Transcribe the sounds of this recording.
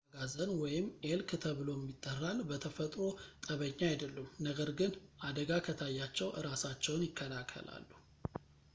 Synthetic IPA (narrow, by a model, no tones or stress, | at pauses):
ɡazənwɔjɪmːelkɨt̪ʰəβɨlo̞ɛmːit̪ʼːərːalbət̪ʰəfət̪ʼɾo̞t̪ʼəβəɲːaajd̪əlːumnəɡəɾɡɨnʔad̪əɡakʰət̪ʰajːat͡ʃːɛwʔɨɾasat͡ʃːɛwnjɪkʰːəlakʰːə̰la̰lːu